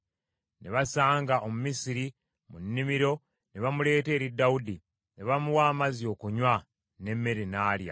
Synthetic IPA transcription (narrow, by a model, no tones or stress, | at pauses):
neβasaːŋɡaʔo̞mumisiɾi | munːimiɾo̞ | neβamule̞ːte̞ːɾidːawudi | neβamuwaːmazio̞ːkuɲwa | ne̞mːe̞ɾinaːlja̰